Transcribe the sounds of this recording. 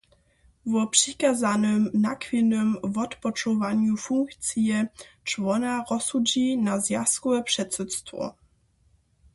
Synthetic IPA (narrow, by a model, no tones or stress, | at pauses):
vɔpʂikazanɨmnakfʲinɘmvɔt̪pɔt͡ʂɔvaɲufuŋkt̪sjɛt͡ʂvɔnaɾɔsud͡ʑinazjaskuɛpʂɛt̪sɛt̪st̪vɔ̰